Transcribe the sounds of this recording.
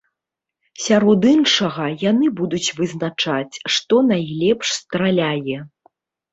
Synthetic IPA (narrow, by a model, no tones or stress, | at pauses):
sʲaɾɔd̪inʂɐɣɐjanɨbud̪ut͡sʲvɨznat͡ʂat͡sʲʂt̪ɔnajlʲɛpʂst̪ɾalʲajɛ